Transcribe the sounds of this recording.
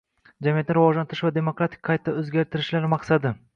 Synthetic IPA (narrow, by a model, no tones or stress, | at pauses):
d͡ʒamijat̪nɪɾɪvɒʒlant̪ɪɾɪʃvad̪e̞mo̞kɾat̪ʰɪ̥k̚ʲqʰɑjt̪ʰːaɵzɡʲaɾt̪ʰɪɾɪʃlaɾmɑqsad̪ɪ